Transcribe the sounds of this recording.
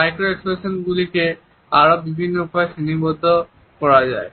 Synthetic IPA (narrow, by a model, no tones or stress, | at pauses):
majkɾoekspesonɡulike | aɹobibʱinːoupaesinibot̪o | kɔɹad͡ʑae